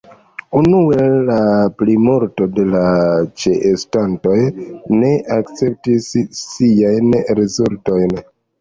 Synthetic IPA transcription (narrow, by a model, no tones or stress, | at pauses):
unue̞laplimoɾto̞de̞lat͡ʃeʔestanto̞jne̞ʔakt͡se̞p̚tisːiajnɾezulto̞jn